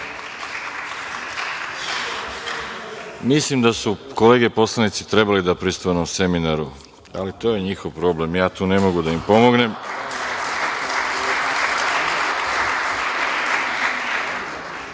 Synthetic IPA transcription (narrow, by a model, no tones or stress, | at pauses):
mislimd̪asuko̞le̞ːɡe̞po̞slˠanit̪sit̪ɾe̞balid̪apɾist̪uenomse̞minaɾu | a̰lit̪o̞ːje̞ɲixo̞ʋpɾo̞ble̞mjaːt̪uːne̞mo̞ɡud̪aimpo̞mo̞ɡne̞m